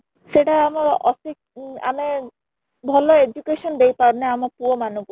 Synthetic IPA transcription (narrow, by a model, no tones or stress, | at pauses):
ʃeʈaamaɾɔsik̚a̰me | bʱɔloed͡ʑukeʃond̪ejpaɾnaamaɾpuomanubu